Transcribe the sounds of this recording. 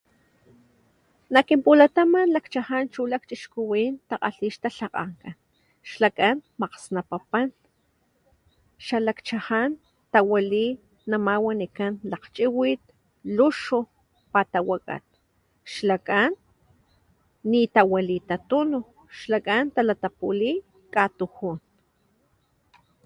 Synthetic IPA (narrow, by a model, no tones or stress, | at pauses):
nakimpulat̪amanlakt͡ʃahant͡ʃulak̚t͡ʃʼiʃkuwiːnt̪aqa̰ɬiːʃt̪aɬaqa̰ŋkan | ʃlakanmaqsnapapan | ʃalakt͡ʃahan | t̪awali | namawanikanlaqt͡ʃʼiwit̪̚ | luʃu | pat̪awakʼa̰t̪̚ | ʃlakʼan | it̪awalit̪at̪unu | ʃlakʼant̪alat̪apuli | kʼat̪uhun